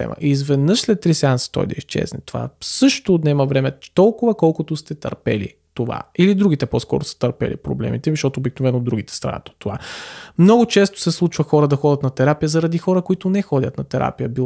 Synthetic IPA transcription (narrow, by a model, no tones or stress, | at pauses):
ɛ̰mə̰ʔizvɛd̪nɤʃslɛt̪ːɾisansə̥t̪ɔ̰jd̪ɐiʃt͡ʃɛ̰znɛt̪ova̰sɤʃt̪onɛmɐvɾɛmɛt̪ɔlˠkʊvəkɔlˠkʊt̪ʊst̪ɛt̪ɐ̰ɾpɛ̰lḭ | t̪ova̰ilid̪ɾuɡ̟it̪ɛpɔskɔ̰ɾʊsə̥t̪əɾpɛ̰lḭpɾo̰blɛ̰mit̪ɛʃt̪ɔt̪oːbiknovɛnod̪ɾuɡit̪ɛ̥st̪ɾa̰jə̰t̪o̥t̪ːovamnɔɡʊt͡ʃɛst̪ʊ̥sɛslˠut͡ʃvəxɔɾəd̪ɐxɔdʲət̪nɐt̪ɛɾapijəzɐɾɐd̪ixɔɾəkoit̪ʊnɛxɔdʲət̪nɐt̪ɛɾa̰pijəbi